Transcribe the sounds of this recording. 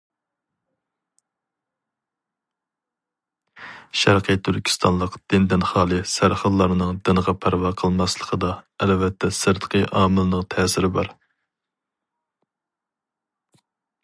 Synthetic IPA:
ʃæɾqʰət̪ʰyɾkʲʰi̥st̪ʰɑnlˠəqd̪̥ɪnd̪ɪnχɑːlˠɨsæɾχəd̪lˠɑɾnɨŋd̪ɪnəʁɑpʰæɾvɑːqʰəlˠmɑslˠə̥qʰəd̪ɑɛlvɛt̪ʰːɛsɨɾd̪əqʰəʔɑːmɨlɨnɨŋt̪ʰɛːsɪɾɪbɑɾ

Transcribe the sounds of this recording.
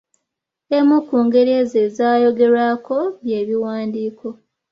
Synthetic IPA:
emukːuːŋɡe̞ɾeze̞zaːjo̞ɡe̞ɾako̞βje̞ːβiwaːndiːkʰo̞

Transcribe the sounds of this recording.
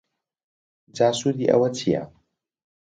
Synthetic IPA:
d͡ʒaːsudiʔa̰wɐtija̰

